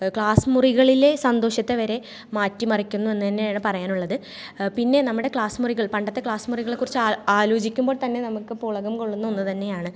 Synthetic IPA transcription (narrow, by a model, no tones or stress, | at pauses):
kɭaːsɨmuriɣɐɭile̞sɐnd̪o̞ːɕjɐt̪ːe̞ʋɐɾe̞ | maːtːimɐrikʲːunːue̞nːɨt̪ɐnːejaːɳɨpɐrɐjaːnuɭːɐðɨ | pinːe̞nɐmːuɽe̞kɭaːsmuriɣɐɭpɐɳɖɐt̪ːe̞kɭaːsɨmuriɣɐɭekːurit͡ɕːaaːlo̞ːd͡ʑikʲːumbo̞ːɭt̪ɐnːe̞nɐmukːɨpuɭɐɣɐmko̞ɭːunːuonːut̪ɐnːe̞jaːɳɨ